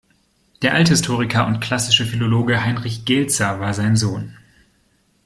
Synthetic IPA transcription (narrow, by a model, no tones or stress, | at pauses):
d̥eːɐʔalthɪstʰoːʁ̞ɪkʰɐʊntkʰl̥asɪʃəfiloloːɡəɦaɪnʁɪçɡ̥ɛlt͡sɐvaːɐzaɪnzoːn